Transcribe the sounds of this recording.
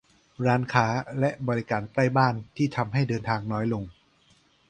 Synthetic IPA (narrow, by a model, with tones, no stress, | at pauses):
ɾaː˦˥nkʰaː˦˥lɛ˦˥ʔbɔː˧ɾi˦˥kaː˨˩nt̪aː˥˩jbaː˥˩nt̪ʰiː˥˩t̪ʰa˧mɦa˥˩jdɤː˧nt̪ʰaː˧ŋnɔː˦˥jlo˧ŋ